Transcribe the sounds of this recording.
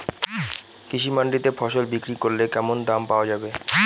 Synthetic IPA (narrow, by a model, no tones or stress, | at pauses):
kiʃimaɳɖit̪efʰɔʃolbikɾikoɾlekɛmond̪ampaoad͡ʑabe